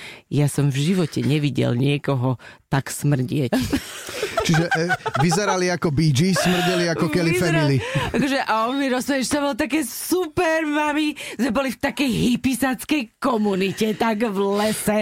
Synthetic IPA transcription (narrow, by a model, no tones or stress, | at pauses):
jasɔmvʒiʋɔcɛɲɛʋiɟɛ̰lɲɪɛkɔɦɔt̪aksmr̩ɟɪɛc | t͡ʃiʒɛʋizɛɾaliakɔbid͡ʒismr̩ɟɛliakɔkɛlifɛniliakɔʒɛʔaɔnmiɾɔsɛɛt͡ʃsabɔlt̪ak̬ɛːsupɛɾmamizmɛbɔlift̪akɛjɦipisat͡skɛjkɔmunicɛt̪aɡvlɛsɛ